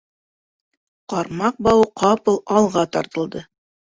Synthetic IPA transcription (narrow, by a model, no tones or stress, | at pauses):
qɑɾmɑq̚bɑwqʰɑpɤlˠɑlˠʁɑt̪ɑɾt̪ɤ̆lˠd̪ɤ